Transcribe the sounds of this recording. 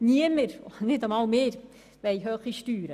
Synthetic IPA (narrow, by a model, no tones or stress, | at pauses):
niəməɾɔnɪdəmɑːlmeːɾ | ʋɛɪɦøːχiʃtyːɾə